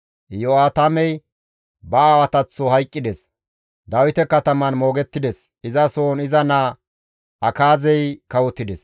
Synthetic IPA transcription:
joaːt̪ɐmɛj | bɐaːwɐt̪ɐt͡sːɔhɐjkʼːɪd̪ɛs | d̪ɐwɪt̪ɛkɐt̪ɐmɐnmo̞ːɡɛt̪ːɪd̪ɛs | ɪzɐsoːnɪzɐnaː | ɐkaːzɛjkɐwɔt̪ːɪd̪ɛs

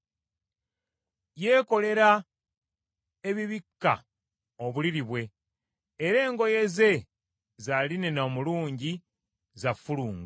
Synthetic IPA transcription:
je̞ːko̞le̞ɾa | e̞βiβikːa̰ | oβuliɾiβwe̞ː | ɾe̞ːŋɡo̞je̞ze̞ | zaline̞naomuluːɲɟi | zafuluːŋɡ

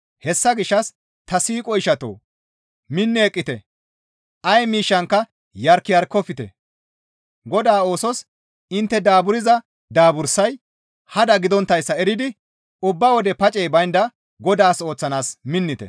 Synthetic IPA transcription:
hɛsːɐɡɪʃːɐs | t̪ɐsiːkʼɔɪʃɐt̪o̰ː | mɪnːɛːkʼːɪt̪ɛ | ʔɐjmiːʃːɐŋkːɐ | jɐɾkːɪjɐɾkɔfɪt̪ɛ̰ | ɡɔd̪aːo̞ːsɔs | ɪnt̪ːɛd̪aːbʊɾɪzɐ | d̪aːbʊɾsɐj | hɐd̪ɐɡɪd̪ɔnt̪ːɐjsːɐɛɾɪd̪ɪ | ʊbːɐwɔd̪ɛpɐt͡ʃʼɛjbɐjnd̪ɐ | ɡɔd̪aːso̞ːt͡sːɐnaːsmɪnːɪt̪ɛ̰

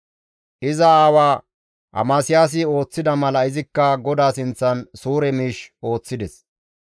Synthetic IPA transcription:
ʔɪzɐaːwaː | ʔɐ̰maːsɪjaːs̬ɪo̞ːt͡sːɪd̪ɐmɐlɐɪzɪkːɐɡɔd̪aːsɪnt͡sːɐnsuːɾɛmiːʃo̞ːt͡sːɪd̪ɛs

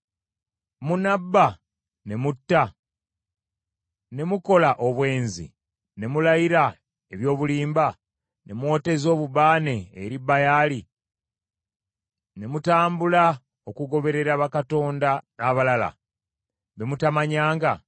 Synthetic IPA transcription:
munabːa | ne̞mutːa | ne̞muko̞laʔo̞βwe̞ːnzḭ | ne̞mulajiɾa | e̞βjo̞ːβuliːmba | ne̞mwo̞te̞zo̞ːβubaːne̞ːɾibːajali | ne̞mutaːmbula | okuɡo̞βe̞ɾe̞ɾaβakato̞ːndaaβalala̰ | βe̞mutamaɲaːŋɡa

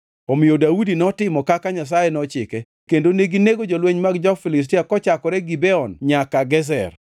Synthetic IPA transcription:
ɔmɪodaudinɔtɪmɔkakaɲas̬ajɛnɔt͡ʃɪkɛ | kendoneɡineɡod͡ʒolweɲmaɡd͡ʒɔfilɪs̬tiakɔt͡ʃakɔɾɛɡibɛɔnɲakaɡɛs̬ɛ̰r

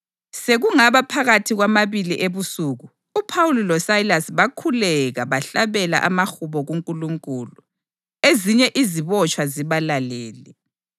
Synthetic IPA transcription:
seɣuŋaβapʰaɣatʰiɣwamaβiliʔeβusuːɣu | upʰawulilɔsailasβakʰulɛɣaβaɬaβɛla̰ʔamaxuβɔɣuŋkʼuluŋkʼuːlu | eziɲɛʔiziβɔt͡ʃʼwaziβalaleːli

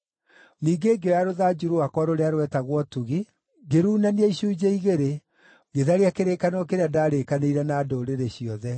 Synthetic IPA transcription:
niːŋɡeɡeaɾoðad͡ʒuɾuakɔɾoɾeaɾwɛtaɣwɔtuɣi | ɡeɾuːnaniɛiɕuːd͡ʑeiɣeɾe | ɡeðaɾeakeɾeːkanɔkeɾeadaːɾekaneiɾɛnaːdoɾeɾeɕiɔðɛ

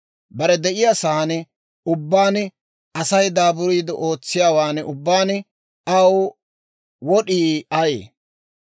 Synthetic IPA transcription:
bɐɾɛd̪ɛʔɪjasɐhɐnɛ | ʊbːaːn | ʔɐsɐjd̪aːbʊɾiːd̪ɔʔo̞ːt͡sːɪjaːwaːnɛʔʊbːaːnɪ | ɐw | wɔɗiːɐjḛː

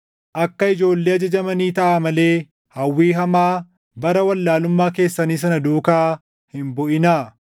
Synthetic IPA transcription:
ʔɐkːɐɪd͡ʒo̞ːlːeːɐd͡ʒɐd͡ʒɐmɐniːt̪ɐʔaːmɐle̞ː | hɐwːiːɦɐmaː | bɐɾɐwɐlːaːlʊmːaːke̞ːsːɐniːs̬ɐnɐd̪uːkaː | hɪmbɔʔɪnaː

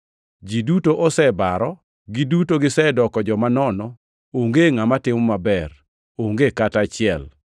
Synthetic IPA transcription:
d͡ʒidutoʔɔsɛbaɾɔ | ɡɪdutoɡɪsɛdɔkɔd͡ʒɔmanɔnɔ | oŋɡeŋamatɪmɔmabɛr | oŋɡekatat͡ʃɪɛ̰l

